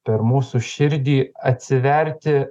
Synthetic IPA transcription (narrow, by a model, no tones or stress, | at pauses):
pʲɛɾmuːsuʃʲɪɾʲd̪ʲiːɐt̪ʲsʲɪʋʲɛɾʲt̪ʲɪ